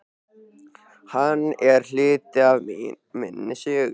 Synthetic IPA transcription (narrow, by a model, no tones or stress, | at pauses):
hanːɛɾ̥l̥ɪːt̪ɪav | mɪ̰nːɪsɪɣ